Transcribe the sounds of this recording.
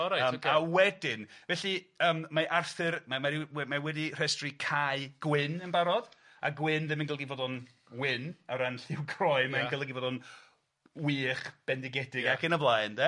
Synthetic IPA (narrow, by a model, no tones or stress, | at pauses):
ɔɾaəawɛdɪnvɛɬiəːmmaʔarθɨrmamaɾiɛmawɛdir̥ɛstrikʰaɨɡ̥wɪnənbaɾɔd̥ | a̰ɡwɪnðɪmənɡəlˠəɡivoːdɔn | wɪnəɾanɬɪwkʰrɔɨmaənɡəlˠəɡivodɔn | wiːχb̥ɛndɪɡɛdɪɡakənəblˠajndɛ